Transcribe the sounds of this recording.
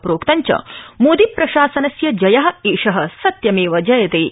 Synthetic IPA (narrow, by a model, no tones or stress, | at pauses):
pɾoːkt̪ɐɲt͡ʃɐ̰moːd̪ipɾɐʃaːsɐnɐsjɐd͡ʒɐjɐɦɐ̆eːʂɐɦɐ̆sɐt̪jɐmeːʋɐd͡ʒɐjɐt̪eː